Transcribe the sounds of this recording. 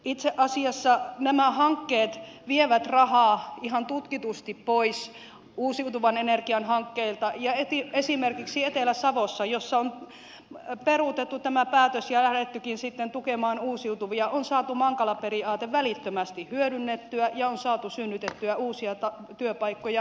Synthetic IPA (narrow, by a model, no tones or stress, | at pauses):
it̪seʔɑsiɑsːɑnæmæhɑŋkːeːt̪ʋieʋæt̪rɑhɑːiɦɑnt̪ut̪kit̪ust̪ippois | uːsiut̪uʋɑnenerkiɑnhɑŋkːeilt̪ɑjɑet̪iesimerkiksiet̪elæsɑʋosːɑjosːɑon | perut̪et̪ːut̪æmæpæːt̪øsjɑlæhɾet̪ːykinsit̪ːent̪ukemɑːnuːsiut̪uʋiɑʔonsɑːt̪umɑŋkɑlɑperiɑːt̪eʋʋælit̪ːømæst̪ihhyøɾynːet̪ːyæjɑonsɑːt̪usynːyt̪et̪ːyæuːsiɑt̪ɑt̪yøpɑikːojɑ